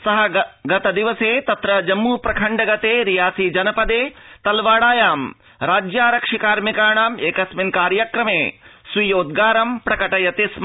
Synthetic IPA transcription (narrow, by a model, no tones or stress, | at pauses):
sɐɦɐɡɐt̪ɐd̪iʋɐseːt̪ɐt̪ɾɐd͡ʒɐmːuːpɾɐkʰɐɳɖɐɡɐt̪eːɾijaːsid͡ʒɐnɐpɐd̪eːt̪ɐlʋaːɽaːjaːm | ɾaːd͡ʒjaːɾɐkʂikaːɾmikaːɳaːmeːkɐsminkaːɾjɐkɾɐmeːsʋijoːd̪̚ɡaːɾɐmpɾɐkɐʈɐjɐt̪ism